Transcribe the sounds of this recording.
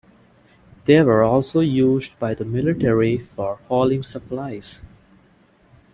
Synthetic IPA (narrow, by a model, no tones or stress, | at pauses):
d̪̥eʋəɹɔːlsoːjuːzɖbaɪd̪əmɪlɪʈɛɹifɔɹhɔːlɪ̃ŋsəplaɪz̥